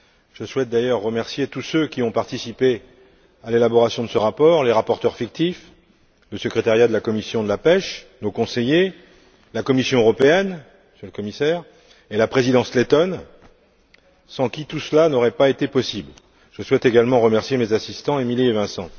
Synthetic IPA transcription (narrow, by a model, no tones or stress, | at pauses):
ʒ̥əswɛt̪̚d̪ajœʁːəmɛʁsjet̪usøkʲiɔ̃paʁt̪isipe | alelabɔʁasjɔ̃d̪əsəʁapɔʁleʁapɔʁt̪œʁfik̚t̪if | ləsəkχet̪aʁjad̪əlakɔmisjɔ̃d̪əlapɛʃnokɔ̃seje | lakɔmisjɔ̃øʁɔpeɛn | sjələkɔmisɛːʁ | elapχezid̪ɑ̃slet̪ɔn | sɑ̃kʲit̪usəlanɔʁɛpaet̪epɔsibl | ʒ̥əswɛt̪eɡalmɑ̃ʁəmɛʁsjemezasist̪ɑ̃emilievɛ̃sɑ̃